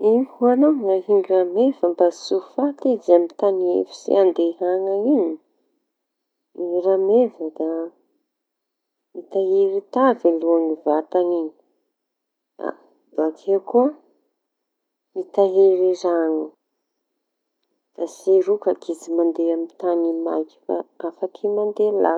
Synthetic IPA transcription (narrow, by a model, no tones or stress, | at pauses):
ihuanaŋŋaɦiŋɡiramev̥əmbasufat̪izamit̪aniḛfi̥sḛand̪eɦaŋaiɲi | iŋiɾamevəd̪a | it̪aɦeɾit̪aveluanivat̪aniɲi̥ | a̰ | bakʰekuə | mit̪aɦeɾiɾaŋə | d̪̥asiɾukakʰit͡simand̪eamit̪anima̰ki̥fa̰afakʰimand̪ela̰